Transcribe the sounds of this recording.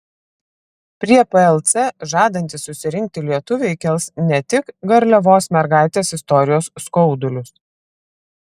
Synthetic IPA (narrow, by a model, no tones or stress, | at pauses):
pʲɾʲiɛpɛɛlˠt̪sʲɛʒɑːd̪ɐnʲt̪ʲɪsːʊsʲɪɾʲɪŋʲk̚t̪ʲɪlʲiɛt̪ʊʋʲɛɪkʲɛlˠsnʲɛt̪ʲɪkɡɐɾʲlʲɛʋoːsmʲɛɾɡɑˑɪt̪ʲeːsɪst̪ɔɾʲɪjoːsːkɔʊd̪ʊlʲʊs